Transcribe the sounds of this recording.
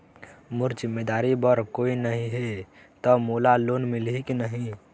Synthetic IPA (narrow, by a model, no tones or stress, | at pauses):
mʊɾt͡ʃɪmed̪aːɾibəɾkoːinəɦĩɦe | t̪ɔmolaloːnmɪlɦiknəɦĩ